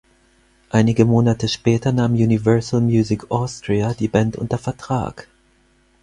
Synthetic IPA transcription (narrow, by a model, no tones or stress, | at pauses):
ʔaɪnɪɡəmoːnatʰəʃpɛːtʰɐnaːmjuːnivœɐsl̩mjuːzɪkʰʔɔstʁ̥iadiːbɛntʔʊ̰ntɐfɛɐtʁ̥a̰ːk